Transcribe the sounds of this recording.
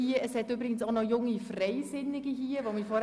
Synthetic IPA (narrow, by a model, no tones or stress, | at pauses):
iːəʔəshɛtyːbɾɪɡ̥ən̩soʊnɔjʊŋifreɪsɪnɪɡiɦiːəvomiːfɔ